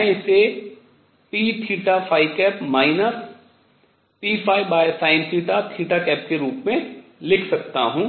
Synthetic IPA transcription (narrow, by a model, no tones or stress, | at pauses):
mɛ̃ɪse | piːt̪ʰiːʈafʰaːikɛːpmaːɪnəs | piːpʰaːibaːjəsaːɪ̃nt̪ʰiːʈat̪ʰiːʈakɛːp̚keɾuːpmẽlɪkʰsɐkt̪a̰ɦũː